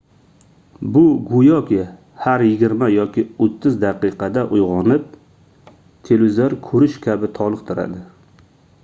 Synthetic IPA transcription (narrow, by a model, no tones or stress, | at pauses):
bʊɡʊjɒkʲʰɪ | haɾjɪɡʲɪɾmajɒkʲɪot̪ʰːɪzd̪aqʰɨqʰɑd̪aʔʊjʁɒnɪp̚ | t̪ʰelɪzoɾkʰɵɾɪʃkʲʰabɪt̪ʰɒlˠɨq̚t̪ʰʊɾa̰d̪ɪ